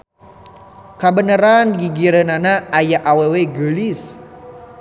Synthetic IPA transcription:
kabənəɾanɡiɡiɾənanaːjaʔaweweɡəlis

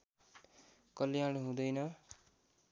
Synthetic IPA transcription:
kʌlijaɽeɦũd̪ʌjnʌ

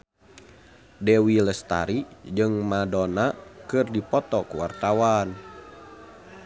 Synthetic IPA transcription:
dɛwiləst̪a̰ɾid͡ʒɨŋmadonakɨrdipɔt̪ɔkuwart̪awan

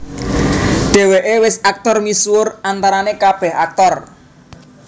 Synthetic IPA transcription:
ɖ̪̥e̤weʔewɪsak̚t̪ɔrmiswʊrant̪aɾanekab̥ɛhak̚t̪ɔr

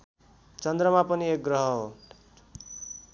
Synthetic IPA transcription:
t͡sʌnd̪rʌmapʌniek̚ɡrʌɦʌo

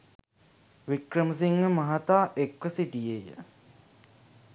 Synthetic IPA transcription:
ʋikɾəməs̬iŋɡəmɐɦat̪aːʔekʋəsiʈijejə̰

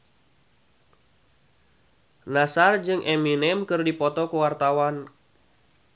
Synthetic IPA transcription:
nasard͡ʒɨŋʔɛminɛmkɨrdipɔt̪ɔkuwart̪awan

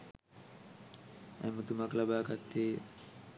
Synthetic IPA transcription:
æ̰mət̪umaklabaːɡat̪ːeː

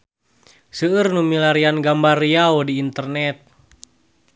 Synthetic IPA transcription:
səːrnumilaɾianɡambariaodiːnt̪ərnɛt̪̚

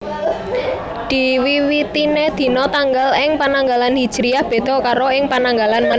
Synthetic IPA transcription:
d̪̥i̤wiwit̪ined̪̥i̤nɔt̪aŋɡəlɪŋpanaŋɡalanɦid̥ʒ̥ɾijahb̥e̤d̪̥ɔ̤kaɾoɪŋpanaŋɡalanma

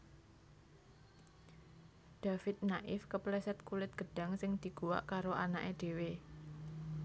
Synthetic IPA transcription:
d̪̥a̤fɪt̪̚naʔɪfkəplɛsɛt̪̚kulɪt̪̚ɡ̥ə̤ɖ̥a̤ŋsɪŋd̪̥i̤ɡ̥uwa̰ʔkaɾoʔana̰ʔeɖ̪̥e̤we

